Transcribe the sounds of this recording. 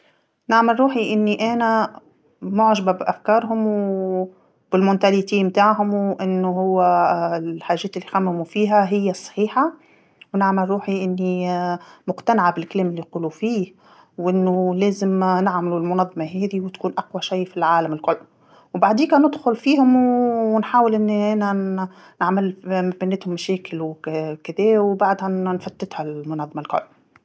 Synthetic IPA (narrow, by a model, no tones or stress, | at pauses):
nɪʕmalɾˤuːħiʔɪnːiʔæːnæ | mʊʕʒababʔafkɑːɾˤɦʊmw | bɪlmʊnt̪aliːt̪iːnmt̪aːʕɦʊmwʔɪnːʊɦʊwːæ | ħaːʒːeːt̪ɪlːixamːɪmufiːɦæɦɪjːæsˤːɑ̥ħiːħa | wnɪʕmalɾˤuːħiʔɪnːi | mʊqt̪anʕabɪlkaleːmɪlːiquːlufiːh | wʔɪnːʊleːzɪmnɪʕmɪlulmʊnɑðˤːɑmɑɦæːd̪iwt̪kuːnʔaqwaʃajːfilʕaːlamɪlkʊlː | wbaʕd̪iːkænɪd̪xʊlfiːhʊmwnħaːwɪlʔɪnːʔænæ | naʕmalmæbɪnːɪt̪hʊmːæʃɛːkɪlwkɪd̪ɛːwbaʕd̪hænfat̪ːɪt̪halmʊnɑðˤːmalkʊ̰lː